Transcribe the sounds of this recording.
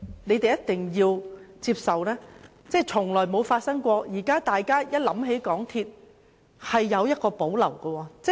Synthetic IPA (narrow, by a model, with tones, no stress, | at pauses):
ne˨˧jt̪e˨jɐ˥t̚t̪ɪ˨ŋjiː˧wt͡siː˧p̚sɐ˨wlɛː˥ | t͡sɛː˥˩t͡sʰʊ˨˩ŋlɔː˨˩jmo˨˧wfaː˧t̚sɐ˥ŋkʷɔː˧jiː˨˩kaː˥t̪aː˨jkaː˥jɐ˥t̚lɐ˨˥mɦe˨˥jkɔː˨˥ŋt̪ʰiː˧t̚ | hɐ˨jːɐ˨˧wjɐ˥t̚kɔː˧po˨˥wlɐ˨˩wɡɐ˧wɔː˧t͡sɛ˥